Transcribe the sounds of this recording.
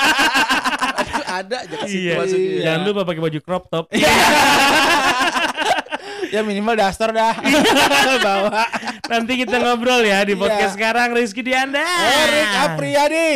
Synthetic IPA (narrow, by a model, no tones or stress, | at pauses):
tadad͡ʒaijad͡ʒaŋanlupapak̬ebad͡ʒukɾɔp̚t̪ɔp̚ | jaminimaldast̪ərdah | bawanant̪̬ikit̪aŋabɾɔljadipɔkɛsəkaɾaŋris̬kidiandaeɾikapɾiadi